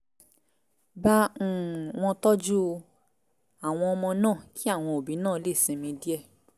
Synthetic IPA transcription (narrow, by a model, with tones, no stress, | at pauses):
bã˦˨w̃ɔ̃˧tɔ˦d͡ʒu˦˧ | a˦˨w̃ɔ̃˧ɔ˧mɔ̃˧nãː˦˨ki˦a˦˨w̃ɔ̃˧o˨bi˨˦nãː˦˨˦le˦˨sĩ˨˧˦mĩ˧˦di˦ɛ˦˨